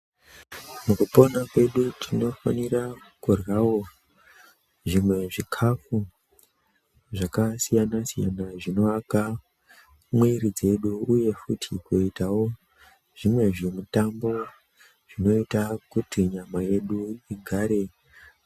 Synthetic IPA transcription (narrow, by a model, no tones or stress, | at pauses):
mukupo̞nakwe̞ɗutʰino̞fanira | kurwawo̞ | ʐimwe̞ʐikʰafu | ʐakasijanasija̰naʐino̞aka | mwiɾid͡ze̞ɗuːje̞futʰikuitawo̞ | ʐ̥imwe̞ʐemutambo̞ | ʐ̥ino̞itakutiɲamaje̞ɗuiɡʱaːɾe̞